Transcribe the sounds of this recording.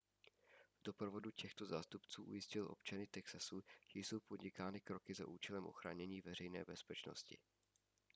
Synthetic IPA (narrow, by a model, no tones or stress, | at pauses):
vdo̞pɾo̞vo̞ducɛxt̪o̞zaːst̪upt͡suːʔṵjɪscɪlʔo̞̰pt͡ʃanɪt̪ɛksasuʒ̥ɛjso̞wpo̞dɲɪkaːnɪkɾo̞kɪza̰ʔuːt͡ʃɛlɛmʔo̞̰xɾa̰ːɲɛɲiːvɛr̝ɛjnɛ̰ːbɛspɛt͡ʃno̞̰scɪ̰